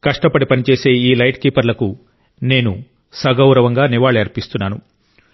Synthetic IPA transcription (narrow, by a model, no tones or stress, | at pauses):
kɐʂʈɐpɐɽipɐnit͡ʃe̞ːse̞ːiːlɐjʈkiːpɐɾlɐku | ne̞ːnṵ | sɐɡɐwɾɐʋɐŋɡaːniʋaːɭeːɐɾpist̪unːaːnu